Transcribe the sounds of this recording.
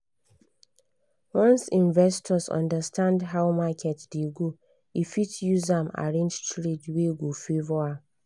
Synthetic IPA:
wɔ̃nsĩnvɛstʰɔsɔ̰̃ndəstʰãndɦawmakʰɛtdeɡo | ifitjuzãma̰ɹẽnd͡ʒtʰɹedweɡofevɔa

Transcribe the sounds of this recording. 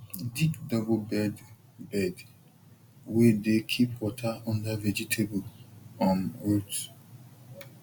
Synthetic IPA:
dikdɔblbɛd | bɛd | wedekʰipwɔtʰaɔ̃ndavɛd͡ʒitʰeblɔ̃mot

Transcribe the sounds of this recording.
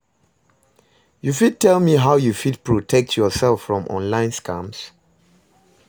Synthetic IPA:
jufid̚tʰɛlmiɦaʊjufid̚pʰɹɔtʰɛk̚tʰjɔsɛlˠfɹɔ̃mʔɔ̰̃nlãɪ̃nskʰams

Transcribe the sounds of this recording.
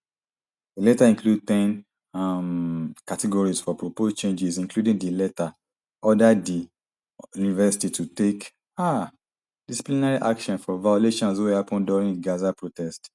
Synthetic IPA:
elɛtaĩŋklud̚tɛ̃n | amkatɛɡɔɹisfɔpɹopost͡ʃẽnd͡ʒisĩŋkludĩŋdilɛta | ɔdadi | junivɛsi̥titʰutek | a | d̥isi̥plinaɹiʔakʃɔ̃nfɔvajoleʃɔ̃nswehapɔ̃nduɹĩŋdɡazapɹotɛst

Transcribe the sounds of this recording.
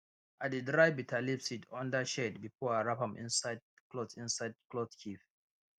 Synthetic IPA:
ʔadidɹajbitʰalipsitʰɔ̃ndəʃɛdbifɔaɹapãmʔḭ̃nsajd̚ | klɔtĩnsajd̚klɔtkʰif

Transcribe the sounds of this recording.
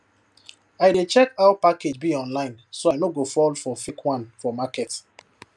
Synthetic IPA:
aɪdet͡ʃɛkaʊpaked͡ʒbiɔ̃nlãɪ̃nsoajnoɡofɔlfɔfikwãnfɔmakɛt

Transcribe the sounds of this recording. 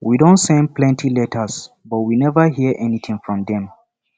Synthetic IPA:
widõʊ̃ntsɛ̃nd̚pʰlɛ̃ntʰilɛtʰə˞s | bʌt̚winɛvəɦiəʔɛniθʰĩŋfɹɔ̃mðɛ̃m

